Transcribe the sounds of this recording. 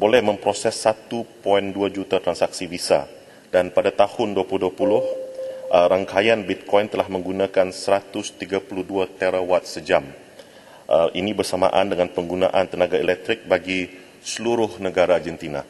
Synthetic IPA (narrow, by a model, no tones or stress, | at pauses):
bolɛhmə̃mpɾosɛsːat̪upɔinduad͡ʒut̪at̪ɾansak̚sivisa̰ | danpadat̪ahʊnduapuluduapulʊhʔəɾaŋkajanbit̪̚kʰɔjnt̪əlahmə̃ŋɡunãkansəɾat̪ʊst̪iɡapuluhduat̪ɛɾawat̪̚səd͡ʒam | ʔəʔinibərsama̰ʔandəŋanpəŋɡunã̰ʔant̪ənaɡaelɛk̚t̪ɾɪk̚baɡi | səluɾʊhnəɡaɾad͡ʒɛnt̪ina̰